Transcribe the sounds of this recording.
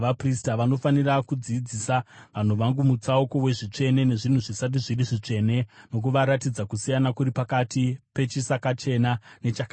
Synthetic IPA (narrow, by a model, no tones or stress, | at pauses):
ʋapristaʋano̞fanirakud͡ziːd͡zisaʋan̤uʋaŋɡumut͡sauko̞we̞ʐit͡ʂe̞ne̞ne̞ʐin̤uʐisat̬iʐiriʐit͡ʂe̞ne̞muk̬uʋaɾatid͡zakusijanakuɾipakatipe̞t͡ʃisakat͡ʃe̞nane̞t͡ʃaka